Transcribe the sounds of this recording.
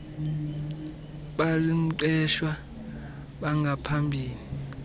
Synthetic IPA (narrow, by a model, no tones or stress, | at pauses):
ɓalim̩ǃɛʃwa | ɓaŋɡʱapʰambʱiːni